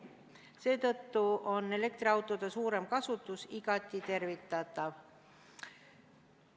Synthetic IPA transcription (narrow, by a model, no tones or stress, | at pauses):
se̞ːt̪ɤ̞t̪ːuo̞nːe̞le̞k̚t̪riɑwt̪ːˑo̞d̪̥esuːɾe̞mkɑsut̪ːˑusiɡ̥ɑt̪ʲːˑit̪e̞rvit̪ːˑɑt̪ːˑɑv